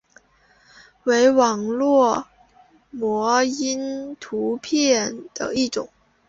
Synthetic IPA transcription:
we˧˥ɪwɑ˨˩ŋlwɔ˥˩ | mwɔ˧˥i˥nt̪ʰu˧˥pʰjɛ˥˩nd̪̥ə̰˩i˥˩ʈ͡ʂʊ̰˨˩˦ŋ

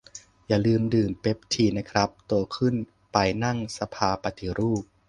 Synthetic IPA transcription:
jaː˨˩lɯː˧mdɯː˨˩mpe˦˥p̚t̪ʰiː˧na˦˥kʰɾa˦˥p̚t̪u˧əkʰɯ˥˩n | pa˧jna˥˩ŋsa˧pʰaː˧pa˧t̪ʰi˧˩ɾuː˥˩p̚

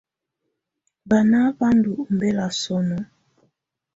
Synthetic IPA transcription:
ba˨na˦ba˦ndu˨o˨mbɛ˦la˨sɔ˦nɔ˦

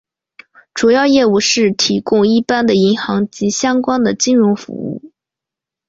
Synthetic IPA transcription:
ʈ͡ʂu˨˩jɑ˥˧ʊjɛ˥˧u˥˩ʂɻ̩˥˩t̪ʰi˧˥kʊ˥˧ŋi˥˩pa˥nd̪ə˨i˧˥ŋxɑ˧˥ŋt͡ɕi˧˥ɕjɑ˥ŋkwa˥nd̪ə˨t͡ɕi˥nɻʊ˧˥ŋfṵ˧˥ṵ˥˩

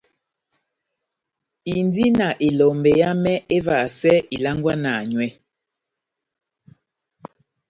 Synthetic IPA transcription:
i˨ndi˦na˨ʔe˨lɔ˨mbɛ˨ja˦mɛ˦e˦va˨sɛ˦i˨la˦ŋɡwa˦na˨ɲwɛ˦

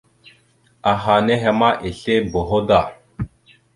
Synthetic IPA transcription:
a˨ɦa˨ne˦ɦe˨ma˦ʔe˨ɬe˦bo˨ɦo˦da˨

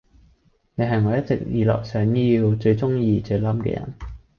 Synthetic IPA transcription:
ne˨˧ɦɐ˨jŋɔː˨˧jɐ˥t̚t͡sɪ˨k̚jiː˨lɔ̰ː˨k̚sœː˨˥ŋji˧wt͡ʃɵ˧ɥt͡sʊ˥ŋjiː˧t͡sɵ˧ɥlɐ˥mkɛ̰˧jɐ̰˨˩n

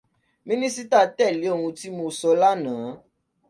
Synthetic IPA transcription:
mĩ˦nĩ˦si˦t̪a˦˨tɛ˦˨li˨˦o˦˨ŋũ˧ti˦mo˧sɔ˧˦la˦nãː˨˦

